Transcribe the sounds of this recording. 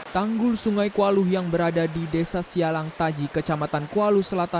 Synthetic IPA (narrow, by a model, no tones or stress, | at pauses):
t̪aŋɡʊlsuŋajkualuhjaŋbəɾadadidesasialaŋt̪ad͡ʒikət͡ʃamat̪ankualuhsəlat̪a